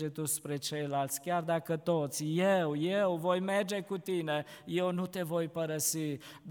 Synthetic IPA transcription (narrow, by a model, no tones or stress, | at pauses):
d͡ʒet̪uspɾe̞t͡ʃe̞jlalt̪sʲkʲjard̪akət̪ot̪sʲjewjewvojmerd͡ʒe̞kut̪inejewnut̪e̞vo̞jpəɾəsi | d̪